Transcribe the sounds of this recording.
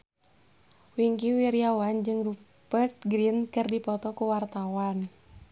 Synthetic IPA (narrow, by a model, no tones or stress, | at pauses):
wiŋkiwiɾiawand͡ʒɨŋru | bərt̪̚ɡɾinkɨrdipɔt̪ɔkuwart̪awan